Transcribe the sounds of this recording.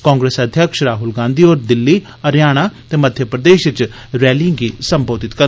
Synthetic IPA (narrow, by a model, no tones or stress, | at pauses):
kɔ̃ːŋɡɾeːsəd̪ʱjəkʃɾaːɦʊlɡãːnd̪iːoːɾd̪ɪlːiː | əɾjaːɽ̃at̪eːməd̪ʱjəpɾəd̪eːʃɪt͡ʃ | ɾɛːlĩŋɡiːsəmboːd̪ɪt̪kə